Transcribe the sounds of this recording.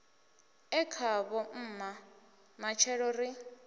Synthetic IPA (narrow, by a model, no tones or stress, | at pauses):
ɛkʰaβɔm̩ːma | mat͡ʃʰɛɺɔri